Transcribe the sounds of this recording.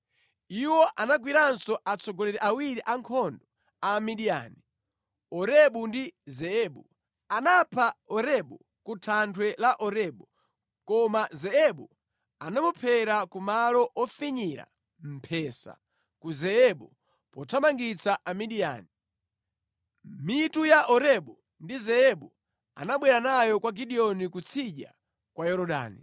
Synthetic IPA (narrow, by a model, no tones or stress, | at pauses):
iwɔʔanaɡwiɾansɔʔat͡sʰɔɡɔlɛɾɛʔawiɾiʔaŋkʰɔndɔ | amiɗia̰ːni | ɔɾɛɓundizɛɛɓu | anapʰaɔɾɛɓṵ | kutʰantʰwɛlaʔɔɾɛɓu | kɔmazɛɛɓu | anamupʰɛɾakumalɔʔɔfiɲiɾa̰ | m̩pʰɛːsa̰ | kuzɛɛɓu | pɔtʰamaŋɡit͡sʰaʔamiɗia̰ːni | mitujaʔɔɾɛɓɔ | ndizɛɛɓu | a̰naɓwɛɾanajɔkwaɡiɗiɔnikut͡sʰiʄa̰ | kwajɔɾɔɗa̰ːni